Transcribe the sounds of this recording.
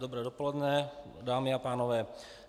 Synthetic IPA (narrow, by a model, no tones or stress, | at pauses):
d̪ɔbɾɛːdɔpɔlɛd̪nɛ | d̪aːmɪapaːnɔʋɛː